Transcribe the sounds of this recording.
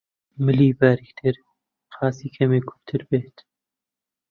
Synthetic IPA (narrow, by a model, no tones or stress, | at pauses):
mɪliːbaːɾikt̪ʰeɾ | xɑːsiːkʰɐmeːkʰu̥nt̪ʰɨɾbeːt̪